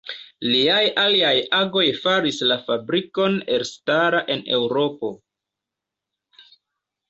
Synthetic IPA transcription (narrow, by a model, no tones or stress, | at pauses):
liajaliajaɡo̞jfaɾislafabɾiko̞ne̞ɾstaɾaʔe̞ne̞wɾo̞po̞